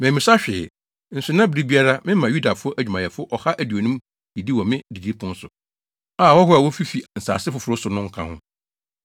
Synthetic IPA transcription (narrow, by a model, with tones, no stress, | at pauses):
mɛ̃˨mĩ˨sa˦ɕᶣɪ˨ | n̩˨sʊ˨nã˦bɪ˦ɾi˦bi˦a˦ɾa˦mɪ̃˦mã˨ju˦da˨fʊ˦ɔ˦ʔæ˨d͡ʑᶣu˨mã˨jɛ˨fʊ˦ɔ˦ʔɔ˨ha˦ʔæ˨du˨o˨nũ˦m | hi˨di˦wɔ˨mɪ̃˦di˨d͡ʑi˦pʰʊ̃˦n̩˦sʊ˨ | a˨wɔ˦ɦʊ˦a˨wɔ˦fi˦fi˨n̩˨sa̰ː˨sɪ˦fʊ˨fʊ˨ɾʊ˦sʊ˨nʊ̃˦ŋ̩˦kʰã̰˦hʊ̰̃˦